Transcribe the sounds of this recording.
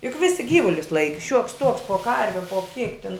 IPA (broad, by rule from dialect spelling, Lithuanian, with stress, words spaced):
jʊk ˈʋʲɪsʲɪ ˈɡʲiːʋʊlʲʊs ˈlˠɐɪkʲɪ ʃʲuɔks tuɔks poː ˈkɐrʲʋʲɛ poː kʲiɛk tʲɪn